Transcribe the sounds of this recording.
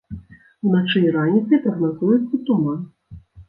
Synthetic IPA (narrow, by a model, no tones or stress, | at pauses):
wnat͡ʂɨɾanʲit̪sɐjpɾɐɣnazujɛt̪sːɐt̪ɔmɐ